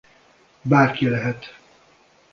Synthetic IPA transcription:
baːrkilɛɦɛt̪

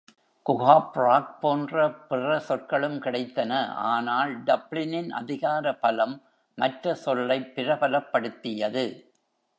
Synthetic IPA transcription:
kʊɣaːpraːk̚poːndrɐpɪrɐsɔrkɐɭɯmkɪɽɐɪt̪ːɐnɐʔa̰ːnaːlɖɐblɪnɪnʔɐ̰ðɪɣaːɾɐpɐlɐmː | ɐʈrɐsɔlːɐɪpːɪɾɐbɐlɐpːɐɽɯt̪ːɪjɐðɯ

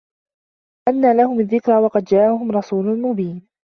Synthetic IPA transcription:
ʔanːaːlahʊmaðːɪkɾˤawɑqɑd̪d͡ʒaːʔaɦʊmɾˤɑsuːlʊmʊbiːn

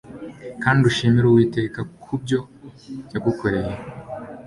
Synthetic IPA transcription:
kaːndiuʃimiɾowiːteːkakʰub̚ɟo̞ | jaɡukoɾeje

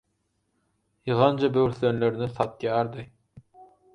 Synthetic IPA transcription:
jɯʁɑnd͡ʒɑbøwɾθønløɾnɪsɑt̪jɑːɾd̪ɨ

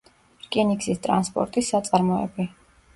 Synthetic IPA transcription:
ɾkʼiniksist̪ʼɾa̰nspʼɔ̰ɾt̪ʼisːat̪sʼaɾmɔɛ̰bi

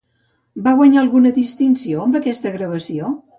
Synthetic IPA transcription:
baɣwəɲaəlˠɣunəðist̪insioəmbəkɛst̪əɣɾəβ̞əsio

